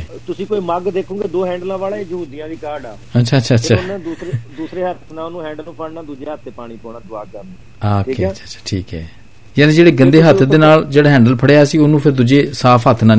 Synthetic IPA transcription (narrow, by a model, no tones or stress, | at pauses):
t̪ʊsĩːkoːiːməɡd̪eːkʰõːɡeːd̪oːɦɛ̃ːɳɖəlãːʋaːlaːed͡ʒəɦuːd̪ijãːd̪iːkaːɾɖɛːətːʃʰaːətːʃʰaːətːʃʰand̪uːsɾed̪uːsɾeːɦət̪nãːonũːɦɛ̃ːɳɖəlnũːpʰəɽnãːd̪uːd͡ʒeːɦət̪̚ʰːeːpaːɽiːpɔ̃ːnaːd̪ʊaːkəɾd̪e | oːeət͡ʃʰat͡ʃʰḁːʈʰiːkɛ̰ː | jaːnẽːd͡ʒeːɽeːɡə̃nd̪eːɦət̪ʰd̪eːnaːld͡ʒeːɽaːɦɛ̃ːɳɖəlpʰəɽeːaːsiːoːnũːpʰɪɾd̪ʊd͡ʒeːsaːpʰɦət̪ʰːnãː